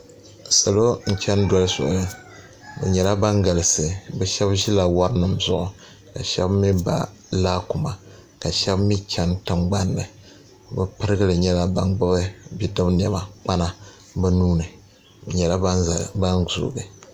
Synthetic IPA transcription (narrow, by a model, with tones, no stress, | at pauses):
sa˨lo˦n̩˦t͡ʃɛ˦n˦dɔ˦lɨ˦sʊ̰˨ʔʊ˨nɨ˨ | bɛ̰˨ɲɛ˨la˦ba˦ŋɡa˨lɨ˨sɨ˨bɛ˨ʃɛ˦bʒi˦la˨wa˦ɾnɨ˨mzʊ˦ʔʊ˨ | ka˨ʃɛ̰˦bmi˦ba̰˨ | laː˦ku˨ma˨ | ka˨ʃɛ˦bmi˦t͡ʃɛ˦ntɨ˨mɡ͡ba˦nːɨ˨ | bɨ˦pɨ˦ɾɨ˦ɡɨ˦lɨ˨ɲɛ˦la˨ba˨˦ŋɡ͡bɨ˦bɨ˦bi˦dɨ˦bn˨ɛ˨ma˨k͡pa˦na˦ | bɨ˦nuː˦nɨ˨ | bɲɛ˨la˦˨ba˦nzṵ˨ɡɨ˨